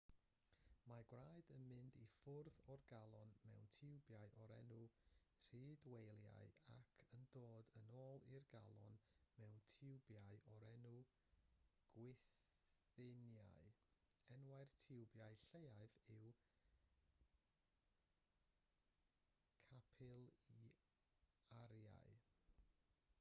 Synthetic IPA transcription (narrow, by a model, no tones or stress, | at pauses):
maɡwraɨdənmɪndifʊrðɔrɡalˠɔnmɛ̰wntʰɪwbjaɨʔɔɾɛnu | r̥iːdwejlˠja̰ɨa̰kʰəndoːdənoːlˠirɡa̰lˠɔ̰nmɛwntʰɪwbjaɨʔɔɾɛnu | ɡ̥wɪθ | ɪnja̰jɛnwaɨrtʰɪwbjaɨɬeaɨvɪw | kʰapʰɪlˠi | aɾja̰ɨ